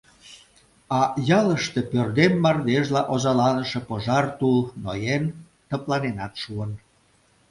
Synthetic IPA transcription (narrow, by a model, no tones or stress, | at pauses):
ɑjɑləʃt̪e̽pørd̪emːɑrd̪eʒlɑʔozɑlɑnəʃĕpoʒɑrt̪ulnojen | t̪əplɑnenɑt̪ʃuən